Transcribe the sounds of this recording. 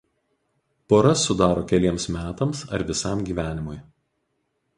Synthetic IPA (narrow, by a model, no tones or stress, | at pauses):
poːɾɐsʊd̪ɑːɾoːkʲɛlʲiɛmsmʲæːt̪ɐmsɐɾʋʲɪsɑˑmɡʲiːʋʲæːnʲɪmʊj